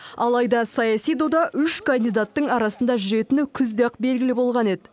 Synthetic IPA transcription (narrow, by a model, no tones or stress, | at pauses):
ɑlˠɑjd̪ɑsɑjɑsijd̪od̪ɑʔʏʃkʰand̪ijd̪at̪ːəɴɑɾɑsənd̪ɑʒʏɾe̞t̪ɪnɪkʲʰʏzd̪eqbe̞lɡʲɪlɪbo̞lˠʁɑne̞d̪ɪ